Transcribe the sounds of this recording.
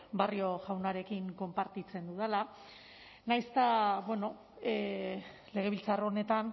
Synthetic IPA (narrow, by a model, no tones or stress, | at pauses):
bario̞ʝawnaɾe̞kiŋko̞mpaɾt̪it͡se̞nd̪uðala | najst̪abwe̞no̞ | e | le̞ɣ̞e̞β̞ilt͡saroone̞t̪an